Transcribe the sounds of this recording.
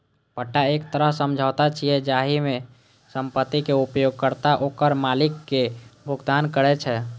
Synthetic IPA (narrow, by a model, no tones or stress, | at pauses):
pəʈːaekt̪əɾəɦsəmd͡ʒʱat̪at͡ʃʰiɛd͡ʒaɦimẽ | səmpət̪ːikeupjoɡ̚kəɾt̪aʔokəɾmalɪkːebʱuɡd̪ankəɾɛt͡ʃʰɛ